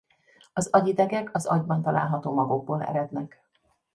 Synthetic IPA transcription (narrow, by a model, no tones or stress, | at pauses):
ɒzɒɟid̪ɛɡɛkʰɒzɒɟbɒnt̪ɒla̰ːlɦɒt̪oːmɒɡuɡ̚boːlɛ̰ɾɛd̪nɛk